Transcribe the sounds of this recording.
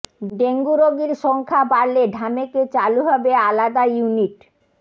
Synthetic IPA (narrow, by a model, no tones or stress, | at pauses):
ɖeŋɡuɾoɡiɾʃɔŋkʰabaɾleɖʱameket͡ɕaluɦɔbealad̪ajuniʈ